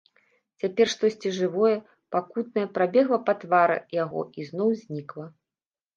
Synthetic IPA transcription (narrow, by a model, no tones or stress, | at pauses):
t͡sʲapʲɛrʂt̪ɔsʲt͡sʲiʐɨvɔjɛ | pakut̪̚nɐjɛpɾabʲɛɣlˠɐpat̪vaɾɨ̰jaɣɔ̰iznɔwzʲnʲiklˠɐ